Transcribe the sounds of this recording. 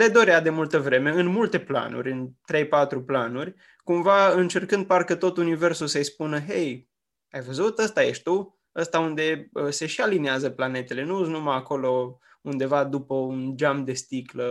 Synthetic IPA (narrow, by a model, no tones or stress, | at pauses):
le̞d̪o̞ɾead̪e̞mult̪əvɾe̞me̞ɨnmult̪e̞pla̰nṵrʲɨnt̪ɾe̞jpat̪ɾuplanurʲ | kumvaɨnt͡ʃe̞rkɨnd̪̚parkət̪o̞t̪unive̞rsusəjspunəɦej | ajvəzut̪əst̪aje̞ʃt̪u | əst̪aund̪e̞əse̞ʃialineazəplane̞t̪e̞le̞nuuznumaako̞lo̞ | und̪e̞vad̪upəund͡ʒamd̪e̞st̪iklə